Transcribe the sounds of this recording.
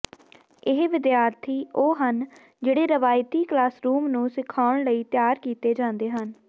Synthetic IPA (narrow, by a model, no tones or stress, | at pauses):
ɪɦʋɪd̪jaːɾt̪ʰiːʔoːɦən | d͡ʒeːɽeːɾəʋaːjt̪iːklaːsɾuːmnũːsɪkʰaːʊɳ̃ləiːt̪jaːɾkiːt̪eːd͡ʒãːnd̪eːɦən